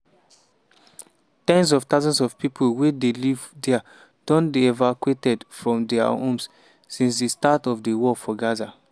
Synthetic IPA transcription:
tɛ̃nsɔv̥taʊzɔ̃nsɔv̥pipʰolwedelivdɛa | d̥ɔ̃nbiɛvakuetɛdfɹɔ̃mdɛa̰õms | sĩnsdistatɔvdewɔfɔɡaza

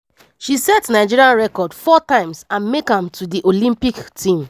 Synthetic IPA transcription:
ʃisɛtnaɪd͡ʒiɹiãnɹɛkɔdfɔtãɪ̃msãnmekhãmtʰudiʔolĩmpiktʰĩm

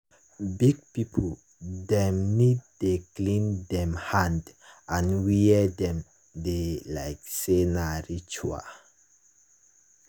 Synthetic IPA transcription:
biɡ̚pipʰ | dɛ̃mnid̚deklĩndɛ̃mhãndʔãnwiɛdɛ̃m | delaɪksenaɹit͡ʃua̰

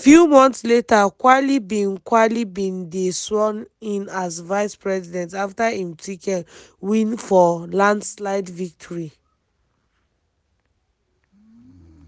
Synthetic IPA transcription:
fjumɔ̃nθsletakwalibĩnkwalibĩndeswɔ̃nĩnazvaɪspɹɛzidɛ̃ntaftahĩmtwikɛ̃nwĩnfɔlãndslaɪdvik̚tʰɔɹi

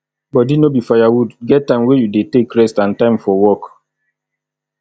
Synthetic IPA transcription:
bɔdinobifajawudɡɛttːãɪ̃mwejudetekɹɛstãntãɪ̃mfɔwɔk

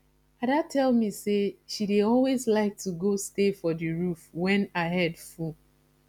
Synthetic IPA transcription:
adatʰɛlmiseʃideɔlwezlaɪk̚tuɡostefɔdɨɹufwɛ̃naɪɦɛdfu

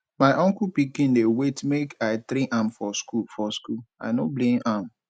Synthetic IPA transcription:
maɪʔɔ̃ŋkupikĩndewetmekaɪt̪ɾĩʔamfɔskufɔskula̰ɪnoblẽmam

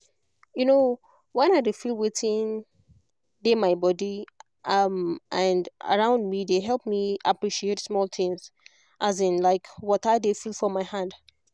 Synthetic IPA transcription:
juno | wɛ̃naɪdefilˠwetʰɪ̃n | demaɪbɔdi | ʔʌmʔə̃ndə̰ɹãʊ̃ndmideɦɛlˠp̚miapɹiʃietsmɔlˠθɪ̃ŋz | ʔazɪ̃nlaɪkwɔtaɪdefilˠfɔmaɪhãd

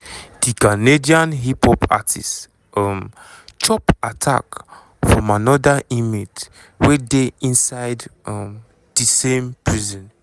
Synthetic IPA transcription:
d̥ikanediãnɦipʰhɔpʰa̰tʰḭs | ɔm | t͡ʃɔpatʰa̰k | fɹɔ̃manɔdaʔimit | wedeĩnsaɪdɔm | d̥isẽmpɹizɔ̃n

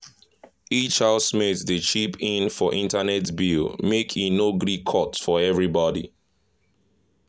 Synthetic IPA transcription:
it͡ʃhaʊsmetðət͡ʃipʰĩnfɔʔĩntanɛtbilmekʰinoɡɹikʰɔtfɔɛvɹibɔdḭ

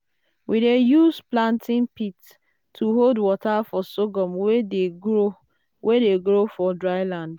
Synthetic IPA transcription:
widejusplãntʰɪ̃npitːʰ | uɦoldwɔtafɔsoɡɔmweeo | wʔedeɡɾofɔdɹaɪlãnd

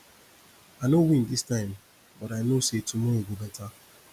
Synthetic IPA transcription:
anowĩndistaɪm̩ | bɔɾanosetumoɡobeta

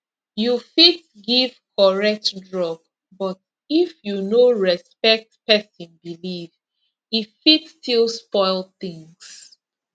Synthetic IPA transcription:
jufit | ɡiv̥kʰɔɹɛk̚tdɹɔɡ | bɔt | ifjunoɹɛspɛk̚tpɛsɔ̃nbiliv | ifitstʰilˠspɔɪlˠθĩŋs

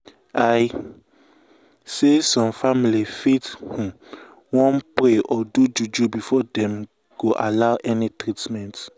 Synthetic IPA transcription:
aj | sesɔ̃mfamilifithũ | wɔ̃npɾeʔɔdud͡ʒud͡ʒubifɔdɛ̃m | ɡ̥oʔalaʊʔɛnitɾitmɛ̃nt

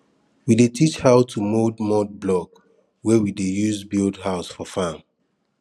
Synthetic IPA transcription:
widetʰit͡ʃhaʊtʰumodmɔd̚blɔk | wɛwidejuzbildhaʊsfɔfãm

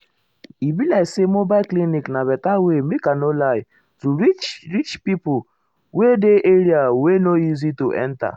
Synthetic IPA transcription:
ibilasemobakliniknaβɛtawemikanolaj | tuɾit͡ʃɾit͡ʃpipu | wedeʔeɾiawenoizituʔɛ̰nta̰

